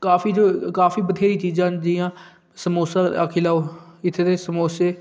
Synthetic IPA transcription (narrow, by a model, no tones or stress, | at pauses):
kaːfiːd͡ʒoːkaːfiːbəd̪ʰeːɾiːt͡ʃiːzãːd͡ʒɪːjãː | səmoːsaːa̰ːkʰɪlaːoːɪt̪ʰːeːd̪eːsəmoːseː